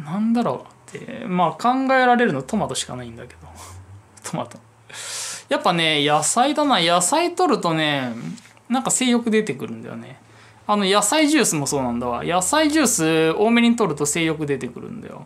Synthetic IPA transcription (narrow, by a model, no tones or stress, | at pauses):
nãnd̪aɾo̞̰ːat̪ʰːḛmaːkãŋɡae̞ɾaɾe̞ɾɯ̟not̪o̞mat̪o̞ɕi̥ka̰naĩnd̪ake̞d̪o̞ | t̪ʰoma̰t̪o̥ | japːane̞jasaid̪anaːjasait̪o̞ɾɯ̟t̪o̞ne̞ | nãŋkase̞ːjo̞kɯ̟d̪e̞t̪e̞kɯ̟ɾɯ̟̃nd̪a̰jo̰ne̞ | ano̞jasaiʑɨːsɨmo̞so̞ːnãnd̪aβa̰jasaiʑɨːsɨo̞ːmeɲ̟it̪o̞ɾɯ̟t̪o̞se̞ːjo̞kɯ̟d̪e̞t̪e̞kɯ̟ɾɯ̟̰̃nd̪a̰jo̰